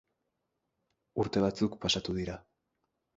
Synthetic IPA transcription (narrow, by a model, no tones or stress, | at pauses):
uɾt̪e̞β̞at͡sukpasat̪uð̞iɾa